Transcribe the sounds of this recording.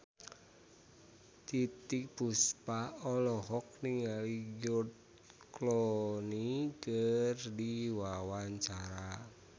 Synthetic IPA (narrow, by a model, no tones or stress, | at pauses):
t̪it̪ik̚b̥uspaɔlɔɦɔk̚niŋaliɡʊt̪̚ | klɔnikərdiwawaɲt͡ʃaɾa